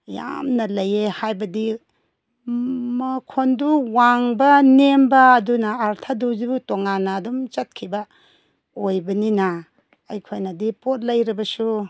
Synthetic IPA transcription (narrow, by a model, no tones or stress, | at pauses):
ja̰mnɐlɐjehajbɐdi | mɐkʰonduwaŋbɐnembɐːdunɐːɾtʰadud͡ʒutoŋanɐːdumt͡ʃɐt̚kʰibɐ | ojbɐninɐ | ɐjkʰojnɐdipot̚lɐjɾibɐsu